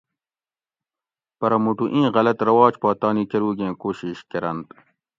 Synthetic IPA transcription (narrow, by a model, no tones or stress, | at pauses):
pɐɾɐmuʈuʔĩːɣɐlɐt̪ɾɐwɑːt͡ɕpɑːt̪ɑːniːkeɾuːɡẽːkoːɕiːɕkɐɾɐnt̪